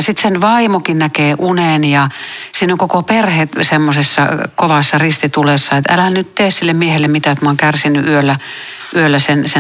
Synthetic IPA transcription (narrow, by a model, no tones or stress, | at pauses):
sit̪senʋɑimokinnækeːʔunenjɑsiːnoŋkokoperhet̪semːosesːɑ̰koʋɑsːɑrist̪it̪ulesːɑet̪æ̰lænytt̪eːssilːemmiehelːemmit̪æet̪mɑoŋkærsinːˑyʔyølːæ | ʔyølːæsense